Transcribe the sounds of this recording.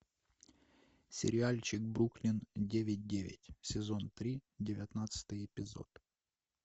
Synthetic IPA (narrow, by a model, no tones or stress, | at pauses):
sʲɪ̰ɾʲɪalʲt͡ɕɪk̚bɾuklʲɪndʲevʲɪt̚ʲdʲeʋʲɪ̰tʲsʲɪzo̞nt̪ɾʲidʲɪvʲɐt̪nat̪sɨ̥t̪ɨjɪpʲɪzo̞̰t̪